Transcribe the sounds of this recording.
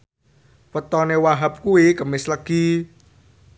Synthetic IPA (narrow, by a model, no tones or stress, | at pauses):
wət̪ɔnewaɦap̚kuikəmɪsləɡ̥i